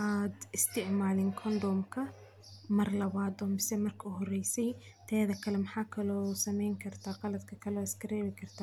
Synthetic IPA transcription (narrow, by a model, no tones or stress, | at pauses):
ʔaːd̪ɪst̪ɪʕmaːlɪŋkʰɔnd̪ɔmkʰɐ | mɐrlɐβaːd̪ɔːmɪsɛmɐrkʰɐuɦɔrɛjsɛj | t̪ʰɛːðɐkʰɐlɛmħaːkʰɐlɔːsɐmɛjŋkʰɐrt̪ʰaqɑlɐd̪kʰɐkʰɐlɔːɪskɐɾɛːβɪkʰɐrt̪ʰa